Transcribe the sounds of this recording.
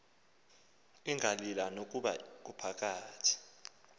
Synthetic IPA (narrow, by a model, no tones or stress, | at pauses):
iŋʱalilanok̬ʼuɓa̰k̬upʰak̬ʼaːtʰi̥